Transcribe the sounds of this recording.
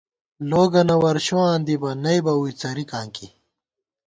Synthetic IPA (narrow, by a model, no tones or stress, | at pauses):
loːɡɐnɐwɐɾɕuaːnd̪ibɐnɐjbɐuit͡sɐɾikãːŋki